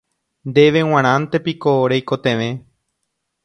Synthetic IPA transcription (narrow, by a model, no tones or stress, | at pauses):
nd̪e̞ʋe̞w̃ãɾ̃ãnt̪e̞pikoɾejkot̪ẽʋẽ